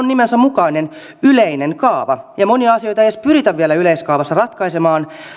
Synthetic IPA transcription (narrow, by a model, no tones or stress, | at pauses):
nimensæmukɑinen | yleineŋkɑːʋɑjɑmoniɑɑsio̞jt̪ɑejespyrit̪æʋʋielæyleiskɑːʋɑsːɑrɑt̪kɑisemɑːn